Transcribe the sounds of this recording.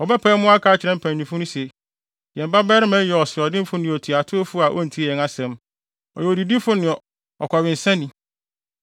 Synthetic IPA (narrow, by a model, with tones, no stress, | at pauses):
ɔ˨bɛ˦pʰɛ˦mʊ̃˦a˦kʰa˨˦t͡ɕɪ˨ɾɛ̃˦m̩˦pʰæ̃˨ĩ˨fʊ̃˦nʊ̃˦sɛ˨ | jɛ̃˨m̩˨ba˦bɛː˦ɾɪ˦mɛ̃˦jɛ˨ɔ˨sɪ˨ɾɔ˨dɪ̃˦m˦fʊ˦nɪ̃˨ɔ˨tʰi˨a˨tʰʊ˦o˦fʊ˦a˨ʔɔ̰˦n̩˨tʰi˦˨ɛ˨ŋa˨sɛ̃˦m | ɔ̰˨jɔ˨di˨di˦fʊ˦nɪ̃˨ɔ˨ | ɔ̰˨kʰʷa˨wɪ˨n̩˨sɛ̃˦nĩ˨˦